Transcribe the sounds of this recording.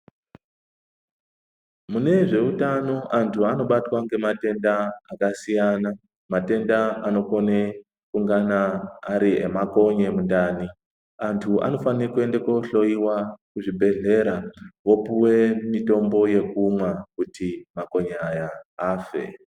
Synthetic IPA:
mune̞ʐe̞utano̞ʔantʰuano̞ɓatwaŋɡe̞mate̞ndaakasijana | mate̞ndaano̞ko̞ne | kuŋɡanaːɾiḛmako̞ɲe̞mundaːni | antʰua̰no̞fanikwe̞ndeko̞ɬo̞iwakuʐibʱe̞ɮe̞ɾawo̞puwe̞mito̞mbo̞je̞kumwakutʰimako̞ɲaajaːfe̞̰

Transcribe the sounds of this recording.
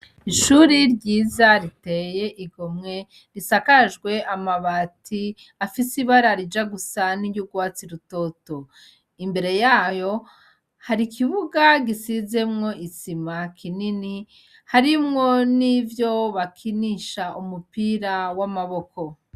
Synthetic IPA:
iʃuːɾiɾɟiːzaɾite̞je̞ʔiɡomŋe̞ | ɾisakaʒɡwe̞ʔamaβatʰi | afisiβaɾaɾid͡ʒaɡusanijuɡwaːt͡siɾuto̞to | imbe̞ɾe̞jaːjo̞ | haɾikʰiβuɡaɡisize̞mŋo̞ʔisimakʰinini | haɾimŋo̞nivjo̞βakʰiniʃaʔumupiɾawamaβo̞ko̞

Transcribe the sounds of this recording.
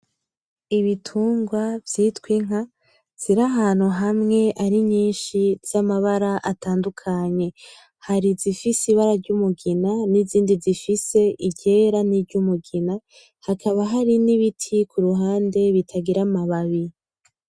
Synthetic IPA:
iβitʰuːŋɡwavjitwiŋ̥a | z̥iɾaɦaːn̥huɦamŋe̞ʔaɾiɲiːnʃiz̥amaβaɾaʔataːndukʰaɲe̞ | haɾizifisiβaɾaɾɟumuɡinaniziːndizifise̞ʔiɟe̞ːɾaniɾɟumuɡina | hakʰaβaɦaɾiniβitʰikuɾuɦaːnde̞βitʰaɡiɾamaβaβi

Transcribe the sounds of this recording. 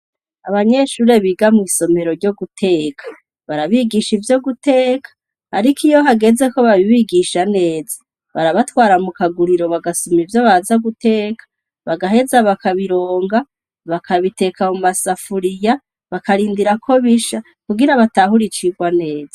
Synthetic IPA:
a̰βaɲe̞ʃuːɾe̞βiɡamwiːso̞me̞ɾoɾɟo̞ɡutʰe̞ːkʰḁ | βaɾaβiɡiʃivjo̞ɡute̞ːkʰḁː | ɾikʰijo̞ɦaɡe̞ze̞ko̞βaβiβiɡiʃane̞ːz̥ḁ | βaɾaβatwaːɾamukaɡuɾiɾo̞βaɡasumivjo̞βazaɡute̞ːkʰḁ | βaɡaɦe̞zaβakaβiɾoːŋɡa | βakʰaβite̞kamumasafuɾija | βakaɾiːndiɾakʰo̞βiʃa | kuɡiɾaβataɦuɾit͡ʃiɡwane̞ːza

